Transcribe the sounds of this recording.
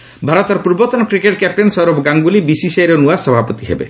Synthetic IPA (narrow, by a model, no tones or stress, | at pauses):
bʱaɾɔt̪ɔɾpuɾbɔt̪ɔnɔkɾikeʈkɛp̚ʈensɔɾubɡaŋbulibisisejɾɔnuasɔbʱapɔt̪iɦḛbḛ